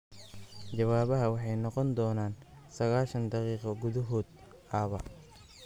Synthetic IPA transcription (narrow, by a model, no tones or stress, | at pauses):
t͡ʃɐwaːβɐɦɐwɑħɑjnɔqɔnd̪ɔːnaːn | sɐɣaːʃɐnd̪ɑqiːqɐɡʊðɐɦɔːd̪ | ʔɐβɐ̰